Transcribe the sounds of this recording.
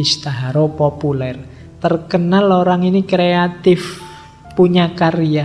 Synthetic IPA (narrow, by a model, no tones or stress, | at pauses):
ist̪aɦaɾopopulɛr | t̪ərkənaloɾaŋinikɾeat̪ɪf | puɲakaria